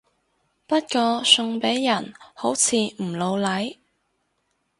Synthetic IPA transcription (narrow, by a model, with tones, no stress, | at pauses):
pɐ˥t̚kɔː˧sɵ˧ŋpe˨˥jːɐ˨˩nho˨˥wt͡sʰiː˨˧m̩˨˩lo˨˧wlɐ˨˥j